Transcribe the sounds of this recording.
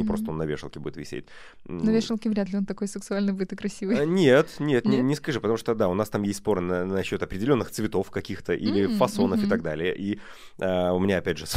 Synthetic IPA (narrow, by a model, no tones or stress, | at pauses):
ɪpɾo̞st̪əonːɐvʲḛʂəlˠkʲɪbṵdɪt̪vʲɪ̰sʲḛt̚ʲ | nɐvʲeʂɨlˠkʲɪvɾʲat̪lʲɪo̞nt̪ɐko̞jsʲɪksʊalʲnɨjbudʲɪt̪ɨkɾɐsʲivɨjnʲet̪nʲet̪nʲɪnʲɪskɐʐɨpət̪ɐmuʂt̪od̪aʊnast̪amjesʲtʲspo̞ɾɨnənɐɕːo̞t̪ɐpɾʲɪdʲɪlʲo̞nːɨxt̪svʲɪt̪o̞fkɐkʲixt̪əʔilʲɪfɐso̞nəfɨt̪aɡ̚d̪alʲɪjəʔi | əʊmʲɪnʲaɐpʲædʲʐɨs